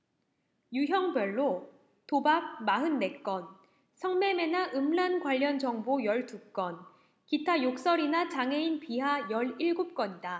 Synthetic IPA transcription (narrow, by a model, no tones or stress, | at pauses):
juɦjʌŋbjʌɭːo | tobak̚maɦɯnːe̞k͈ʌn | sʰʌŋme̞me̞naʔɯmlankwaʎːʌnd͡ʑʌŋbojʌɭtuk͈ʌn | kitʰajok̚s͈ʌɾinat͡ɕaŋɦe̞inpiɦajʌɭiɭɡup̚k͈ʌɲida